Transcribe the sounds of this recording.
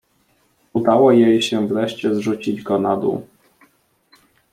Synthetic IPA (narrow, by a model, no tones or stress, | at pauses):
ud̪awɔjejɕɛvɾɛɕt͡ɕɛzʐut͡ɕid͡ʑɡɔnad̪ṵ